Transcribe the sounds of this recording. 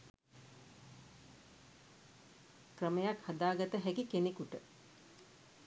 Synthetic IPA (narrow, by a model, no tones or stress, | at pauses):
krəməjakhad̪aːɡat̪əɦækikenekuʈə